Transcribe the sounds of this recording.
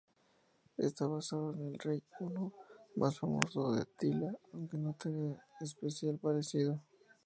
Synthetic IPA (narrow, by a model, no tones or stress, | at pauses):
ḛst̪aβasaðoene̞lrejunomʔa̰sfamo̰soðḛt̪ilaawŋke̞not̪eneːs̬pesjalpaɾesiðo